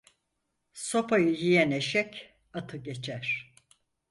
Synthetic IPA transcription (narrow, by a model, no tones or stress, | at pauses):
so̞pajɯjijɛneʃɛc | at̪ʰɯɟe̞t͡ʃʰæɾ̥